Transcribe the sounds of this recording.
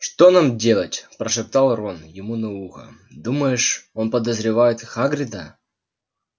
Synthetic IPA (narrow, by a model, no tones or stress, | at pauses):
ʂt̪onamdʲelˠətʲpɾəʂɨp̚t̪ɑlˠronjɪmunɐuxə̰d̪uməjɪʂo̞npəd̪əzɾʲɪvajɪt̪xaɡɾʲɪd̪ə